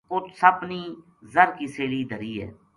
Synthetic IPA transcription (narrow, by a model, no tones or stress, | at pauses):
kʊt͡ʃsəbniː | zəɾkiːseːliːd̪ʱəɾiːɦɛ̰ː